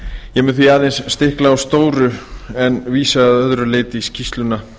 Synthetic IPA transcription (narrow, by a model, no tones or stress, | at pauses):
jɛmʏnθviaːðejnsːt̪ɪhklaawst̪oːwɾʏɛnviːsaðœðɾʏleːt̪ɪscʰist̪lʏna